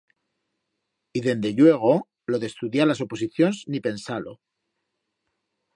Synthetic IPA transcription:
iðe̞nd̪e̞ʎwe̞ɣ̞o̞ | lo̞ðest̪uðjalaso̞po̞siθjo̞nznipe̞nsalo̞̰

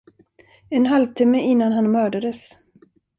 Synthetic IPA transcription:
ɛnɦalvt̪ʰɪmːəʔɪnːanɦanmœːɖad̪əs

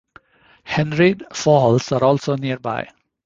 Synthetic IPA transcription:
hɛ̃nɾiɖfɔːɦɔlsaːɾɔːlsoːniəɾba̰ɪ

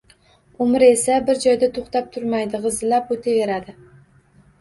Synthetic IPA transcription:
ʊmɪɾe̞sabɪɾd͡ʒɒjd̪at̪ʰoχt̪ap̚t̪ʰʊɾmajd̪ɪʁɨzɪlapot̪ʰeve̞ɾad̪ɪ

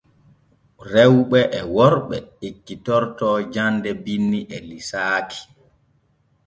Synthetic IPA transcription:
ɾɛwɓɛʔɛwɔɾɓɛikːitɔɾtɔːd͡ʒandɛbinːiʔɛlisaːkʰi̥

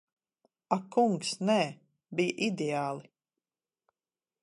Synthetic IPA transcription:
akːuŋksnɛː | bijʔid̪eaːlˠi

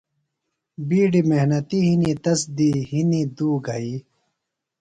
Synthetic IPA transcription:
biːɖimehnɐt̪iɦinit̪ɐsd̪ihinid̪uːɡɐi

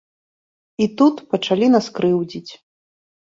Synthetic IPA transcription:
it̪ut̪pɐt͡ʂalʲinaskɾɨwd͡zʲit͡sʲ

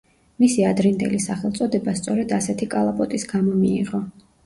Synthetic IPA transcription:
misiad̪ɾind̪ɛ̰lisaχɛlˠt̪sʼɔd̪ɛbast̪sʼɔɾɛd̪asɛt̪ʰikʼalˠapʼɔt̪ʼisɡamɔmiːʁɔ

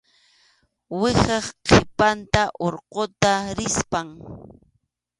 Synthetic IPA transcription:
wɪχɑχqʰɪpant̪aʔoɾqot̪aɾɪspaŋ

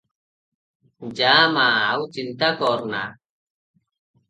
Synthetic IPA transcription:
d͡ʒaːmaːwt͡ʃint̪akɔːɾna̰ː

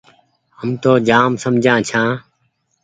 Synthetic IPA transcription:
ɦəmt̪oːd͡ʒaːmsəmd͡ʒʱãːt͡ʃʰãː

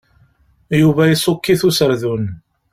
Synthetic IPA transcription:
juvæjisˤokːiθusəɾðun

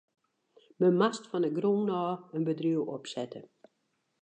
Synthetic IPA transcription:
məmastfɔnəɡroːnɔːənbədriəwɔpsɛtʰə

